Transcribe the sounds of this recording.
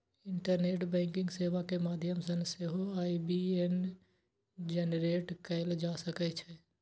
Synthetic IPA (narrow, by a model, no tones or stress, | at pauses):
ɪɳʈəɾneːʈbɛ̃ːŋkɪ̃ŋɡseːʋakemaːd̪ʱjəmsənseɦoaːibien | d͡ʒenɾeːʈkəld͡ʒaːsəkɛt͡ʃʰɛ